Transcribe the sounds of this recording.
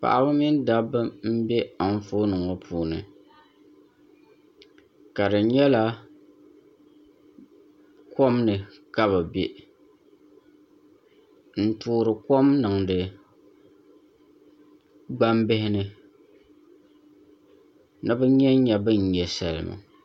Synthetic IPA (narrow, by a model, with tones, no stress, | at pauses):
pa̰˨ʔa˨bɨ˦mi˦n˦da˦bɨ˦m̩˦bɛ˦a˨n˦foː˦nɨ˨ŋɔ˦pʰuː˨nɨ̰˨ | ka˨dɨ˨ɲɛ˦la˦ | ko˦mnɨ˨ka˦βɨ˨be˦ | n̩˦tuː˦ɾɨ˨ko˦mnɨ˨ŋdɨ˨ | ɡ͡ba˦mbɪ˦hɪ˦nɨ˦ | nɨ˦bɨ˦ɲɛ˦ɲɛ˨bɨ˦ɲ̩˨ɲɛ˨sa˨lɨ̰˨ma̰˨